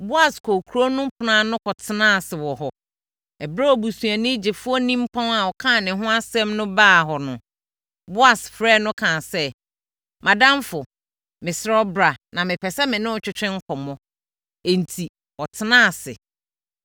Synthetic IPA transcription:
bʊ˦a˨skʰo˨kʰu˨ɾo˦nʊ̃˦pʰʊ˨nã˦˨nʊ̃˦kʰɔ˨tʰɪ˦nã˦˨sɪ˨wɔ˨ɦɔ˨ | ɛ˨bɾa˦ɔ˨bu˨sũ˨a˨nɪ̃˦d͡ʑɪ˨fʊ˦ɔ˦nĩ˦m˦pʰã˦na˨ɔ˨kʰã˦˨nɪ̃˨ɦʊ̃˦a˦sɛ̃˦mnʊ̃˦baː˦˨ɦɔ˨nʊ̃˨ | bʊ˦a˨sfɾɛː˦˨nʊ̃˦kʰã˨sɛ˦ | mã˨dã˦m˦fʊ˨ | mɪ̃˨sɪ˦ɾɔ˦bɾa˨nã˨mɪ̃˨pʰɛ˨sɛ˦mɪ̃˨nʊ̃˦ʊ˨t͡ɕᶣɪ˦t͡ɕᶣɪ̃˦ŋ̩˦kʰɔ˨mɔ̃˦ | e˨n̩˨tʰi˨ | ɔ˨tʰɪ˦nãː˦˨sɪ̰˨

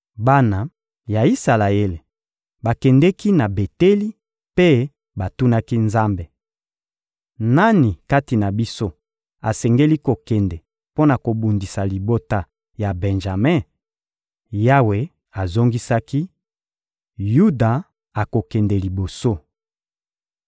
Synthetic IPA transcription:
ba˦na˨ | ja˨i˦sa˨la˨e˦le˨ | ba˨kɛ˨ndɛ˦ki˦na˨be˨te˦li˦ | pe˦ | ba˨tu˦na˦ki˦nza˦mbe˨ | na˦ni˨ka˦ti˨na˨bi˦so˦ | a˨sɛ˨ŋɡe˦li˦ko˨kɛ˨ndɛ˨ | po˦na˨ko˨bu˨ndi˨sa˨li˨bo˦ta˦ | ja˨bɛ˨nʒa˨mɛ̃˦˨ | ja˦we˨ | a˨zo˦ŋɡi˦sa˦ki˦ | ju˦da˨ | a˨ko˨kɛ˨ndɛ˨li˨bo˨so˦

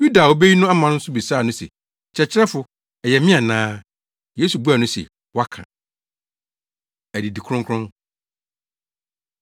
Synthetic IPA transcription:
ju˦da˨wo˦be˦ji˦nʊ̃˦a˦mã˨n˦n̩˦sʊ˦bi˨saː˦˨nʊ̃˦sḛ˨ | t͡ɕʰɛ˨t͡ɕʰɪ˦ɾɛ˦fʊ˨ | ɛ˨jɛ˨mɪ̃˦ã˨nãː˦ | jeː˦su˨bu˦a˨nʊ̃˦sɛ̰˨ | wɔ˦a˦kʰã̰˨ | æ˨di˨di˨kʰʊ̃˦ŋkʰʊ̃˦n

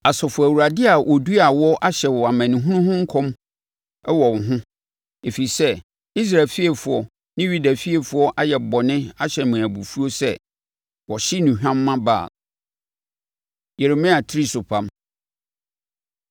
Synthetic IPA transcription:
a˨sɔ˨fʊ˨æ˨wu˨ɾa˨dɪ˦a˨wʔɔ˨du˦a˨wɔ˦ʔa˦ɕɛ˨wɔ˨a˨mæ̃˨nɪ̃˨ɦũ˦nʊ̃˦ɦʊ̃˦ŋ̩˦kʰɔ̃˦m | ɛ˦wɔ˨wɦʊ̃˦ | e˨fi˨i˨sɛ˦ | i˦s̬ɾa˨fi˦e˨fʊ˨ɔ˨ | nɪ̃˦ɥi˦dæ˨fi˦e˨fʊ˦ɔ˦ʔa˦jɛ˨bɔ˨nɪ̃˦a˦ɕɛ˨mã˨æ˨bu˨fu˦o˦sɛ̰˦˨ | wɔ˨ɕɪ˦nũ˨ɦᶣã˦mːã˦ba̰ː˦˨ | je˨ɾe˨mɪ̃˦a˨tʰɪ˦ɾi˦sʊ˨pʰã˨m

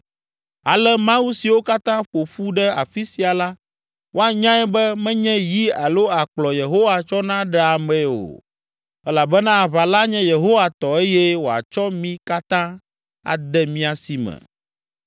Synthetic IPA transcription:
a˨lɛ˦mã˦wu˦si˨wo˦ka˦t̪ã˦ɸo˨ɸu˦ɖɛ˦a̰˨fi˦si˨˦a˨la˦ | wʔo˦a˨ɲã˦ɛ˦bɛ˦mɛ̃˦ɲɛ̃˦ji˦a˨lo˦a˨k͡plɔ˨je˨ɦo˦wa˨t͡ʃɔ˦nã˦ɖɛ˦a˨mɛ̃˨o̰˨ | ɛ˦la˨bɛ˦nã˦a˨βa˨la˦ɲɛ̃˦je˨ɦo˦wa˨t̪ɔ˨e˦jɛ˦wo˨a̰˨t͡ʃɔ˦mĩ˦ka˦t̪ã˦ | a̰˨d̪ɛ˦mĩ˦a˨si˨mɛ̰̃˨

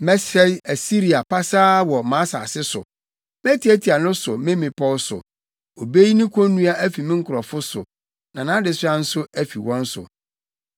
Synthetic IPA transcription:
mɛ˦sɛ˦æ˨si˦ɾi˨a˨pʰa˦saː˦wɔ˨mã˨˦sa̰˨sɪ˦sʊ̰˨ | mɛ̃˦tʰi˨˦æ˦tʰi˨a˨nʊ̃˦sʊ˨mɪ̃˦mɪ̃˨pʰɔ˦lsʊ̰˨ | o˨be˦ji˦nĩ˦kʰɔ̃˦nːũ˦a˦ʔæ˦fi˨mɪ̃˦ŋ̩˦kʰʊ˨ɾɔ˨fʊ˦sʊ̰˨ | nã˨nã˨˦dɪ˨sɪ˦a˦n̩˦sʊ˦æ˦fi˨wɔ̃˦n̩˦sʊ̰˨

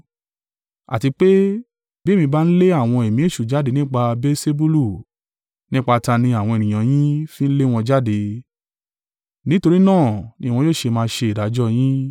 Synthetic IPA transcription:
a̰˨ti˧k͡pe˦ | bi˦˨mĩ˧ba˦n̩˦le˦a˦˨w̃ɔ̃˧e˨mĩ˨˦e˦˨ʃu˨d͡ʒa˦de˧nĩ˦k͡pa˧be˦se˦bu˦lu˦˨ | nĩ˦k͡pa˧ta˧nĩ˧a˨w̃ɔ̃˧e˨nĩ˨j̃ã˨j̃ĩ˦fĩ˦n̩˦le˦w̃ɔ̃˧d͡ʒa˦de˧ | nĩ˨˦to˧ɾi˦nãː˦˨nĩ˨˦wɔ̃˧˦jo˦˨ʃe˧mãː˧˦ʃe˧i˨ɾa˨˦d͡ʒɔ˦j̃ĩ˦

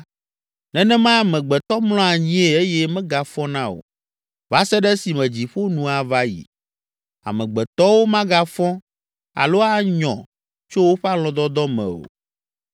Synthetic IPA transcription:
nɛ̃˨nɛ̃˦mã˦˨mɛ̃˨ɡ͡bɛ˨t̪ɔ˦mlɔ̃˦a˨ɲĩ˦e˨e˦jɛ˦mɛ̃˦ɡa˨fɔ̃˦nã˦o̰˨ | va˨˦sɛ˦ɖɛ˦si˨mɛ̃˨d͡ʑi˨ɸo˦nũ˨a˨va˦jḭ˨ | a̰˨mɛ̃˨ɡ͡bɛ˨t̪ɔ˦wo˦mã˦ɡa˦fɔ̃˦ | a̰˨lo˦a˦ɲɔ̰̃˨ | t͡ʃo˦wo˦ɸɛ˦a˦lɔ̃˨d̪ɔ˦d̪ɔ˦mɛ̰̃˨o̰˨

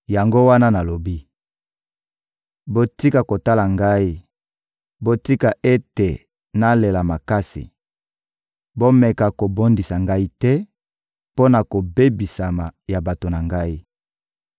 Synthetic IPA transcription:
ja˨ŋɡo˦wa˦na˦na˨lo˨bi˦ | bo˦ti˦ka˨ko˨ta˦la˨ŋɡa˦i˦ | bo˦ti˦ka˨ʔe˦te˨ | na˦le˨la˨ma˨ka˦sḭ˨ | bo˦mɛ˨ka˨ko˨bo˦ndi˨sa˨ŋɡa˦i˦tɛ˦ | po˦na˨ko˨be˦bi˨sa˨ma˨ja˨ba˨to˨na˨ŋɡa˦i˦

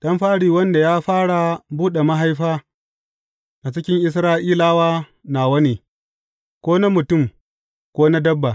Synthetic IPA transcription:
ɗɐ˦mɸaː˦ɽiː˨wɐ˦nda˨jaː˦ɸaː˦ɽa˨buː˦ɗe˨ma˦ɦa˦jɸaː˦ | ʔa˨t͡ʃɪ˦kʲɪ˦ŋʔɪ˦s̬ɾaː˦ʔiː˦laː˦waː˦ | naː˨wɐ˦neː˨ | kʷoː˦na˦mʊ˨tʊ˦˨m | kʷoː˦na˦dɐ˦bːa˨

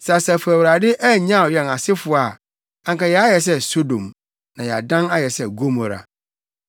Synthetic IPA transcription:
sa˨sa˨fʊ˨æ˨wɾa˨dɪ˦ʔæ˦ɲã˦˨jɛ˨na˨sɪ˦fʊ˨a˨ | ã˨ŋka˨jɛ˨a˦jɛ˨s̬ɛ˦so˦dõ̰˨m | nã˨jɛ˨a̰˨dã˦na˦jɛ˨sɛ˦ɡo˦mɔ˨ɾa̰˨

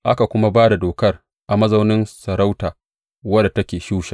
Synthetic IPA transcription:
ʔa˦ka˨kʷʊ˦ma˦baː˦da˨doː˨kɐ˦r | ʔa˨mɐ˦zɐ˦wnɪ˦nsɐ˨ɾa˦wtaː˨ | wɐ˦da˨tɐ˦kʲeː˨ʃuː˦ʃa˨

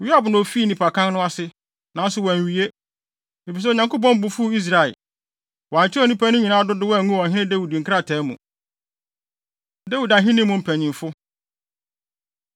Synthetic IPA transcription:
wi˦a˨bʊ˨nʊ̃˨fiː˦nĩ˨pʰa˨kʰã˦n˦nʊ̃˦a˦sɪ˨ | nã˨˦n̩˦sʊ˨wɔ˨æ˨ɥi˨e˦ | e˨fi˨s̬ɛ˦˨ɲã˨ŋko˦p̬ɔ̃˦m˦bʊ˨fu˦i˦s̬ɾa˨ɛ̰˨ | wɔ˨a˨ɲ˨t͡ɕʰɪ˦ɔ˨nĩ˦pʰa˦nʊ̃˦ɲĩ˨nãː˦dʊ˦dɪ˦wɔ˦æ˨ŋũ˦˨ɔ̃˨ɦɪ̃˦nɪ̃˦dæ˦wu˨di˨ŋ̩˨kʰa˦tʰɛ˨˦mṵ̃˨ | de˦wu˨da˨ɦɪ̃˦nĩ˦mːʊ̃˨m̩˨pʰæ˨ɲĩ˨fʊ˦

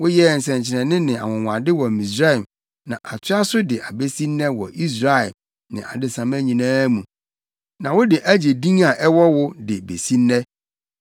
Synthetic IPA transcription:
wʊ˦jɛ˦˨n̩˨sɛ̃˨ɲt͡ɕʰɪ˨nɛ̃˨nɪ̃˦nɪ̃˨a̰˨wʊ̃˨wʷã˨dɪ˦wɔ˨mĩ˨s̬ɾa˦ɛ˨m | nã˨ʔa˨tʰɪ˦a˦sʊ˦dɪ˨ʔa˨be˦sĩ˦nːɛ̃˦wɔ̰˨ʔi˦s̬ɾa˦ɛ˨ | nɪ̰̃˨ʔa̰˨dɪ˦sã˨mæ̃˦ɲĩ˨nãː˦mũ˨ | nã˨wʊ˦dɪ˨ʔæ˦d͡ʑe˨dĩ˦ŋa˨ʔɛ˦wɔ˦wʊ˦dɪ˨bḛ˨sĩ˦nːɛ̃˦

